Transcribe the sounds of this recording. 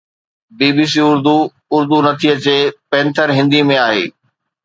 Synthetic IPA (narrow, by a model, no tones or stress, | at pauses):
biːbiːs̬iʊɾd̪u | ʊɾd̪unɐt̪ʰiət͡ɕeːpɛ̃ːnt̪ʰəɾɦɪ̃nd̪imẽaːɦḛː